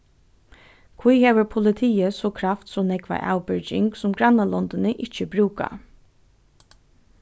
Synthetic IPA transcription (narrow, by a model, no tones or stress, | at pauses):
kʰʋujheːʋəɾpʰʊlɪt̪ʰiːəsɔkʰɾaft̪sɔnɛkʋa̰ʔa̰ːwbʏɹd͡ʒɪŋksʊmɡɾanalɔnd̪ɪnəʔɪt͡ʃəbɾuːka̰